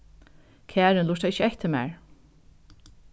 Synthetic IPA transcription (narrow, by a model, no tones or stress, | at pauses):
kʰæːɾɪnlʊʂt̪aɪçəɛht̪ʰɪmæ̰ːɹ